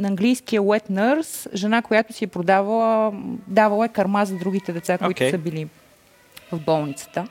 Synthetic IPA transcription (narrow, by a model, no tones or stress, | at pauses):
nːŋɡlijskijəwɛt̪nəɾsʒɛnakojat̪ʊsiɛpɾod̪avəlˠəd̪avɐlˠəɛkɐɾmazɐd̪ɾuɡ̟it̪ɛd̪ɛt̪sakitʊsəbili | vɐvbɔlˠnit̪sə̥t̪ə